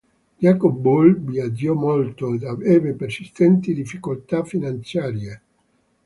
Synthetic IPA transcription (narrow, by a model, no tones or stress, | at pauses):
d͡ʒakobulbiad͡ʒɔmolt̪oed̪aveːvepersist̪ɛnt̪id̪ifːikolt̪afːinant̪sjaːɾje